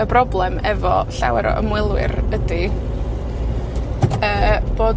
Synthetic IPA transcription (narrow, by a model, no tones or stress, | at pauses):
əbrɔblˠɛmɛvɔɬawɛɾɔ̰ʔə̰mwɪlˠwɪ̰ɾədi | əːb̥oː